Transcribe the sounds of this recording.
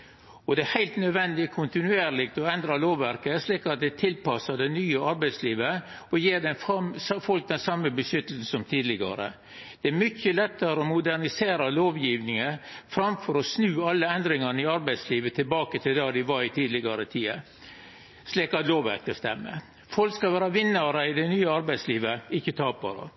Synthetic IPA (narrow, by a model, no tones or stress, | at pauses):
ɔd̪ɛæhæɪlt̪nœd̪ʋɛnd̪ɪkʰʊnt̪ɪnʉeːɾlɪk̚t̪ɔɛnd̪ɾɑloːʋːæɾkəsliːkɑt̪̚d̪ɛt̪ʰɪlpɑsɑd̪ɛnyːəɑɾbæɪd̪sliːʋə | ɔjeːɖɛnffɔlk̚d̪ɛnsɑmːəbəsʏt̪əl̩s̩n̩sɔmt̪ʰiːd̪lɪɡɑ̰ɾə̰ | d̪̥ɛæɾmʏçəlɛt̪ːəɾəɔmʊd̪ænɪseːɾɑloːʋjiːʋnɪŋəfɾɑmfɔɾɔsnʉːɑlːəɛnd̪ɾɪŋɑnɪɑɾbæɪsliːʋət̪ʰɪlbɑːkət̪ʰɪld̪ɑːd̪ɪʋɑɾɪt̪ʰiːd̪lɪɡɑɾət̪ʰiːə̰ | ʂliːkɑt̪loːʋæ̰kt̪əst̪ɛmːə̰ | fɔlkskɑʋæːɾɑʋɪnːɑɾəɪd̪ɛnyːəɑɾbæɪd̪sliːʋəɪçːət̪ʰɑːpɑ̰ɾə̰